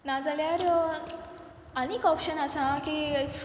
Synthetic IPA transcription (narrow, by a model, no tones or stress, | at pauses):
nad͡zaljaɾ | əneːkɔpɕənasãki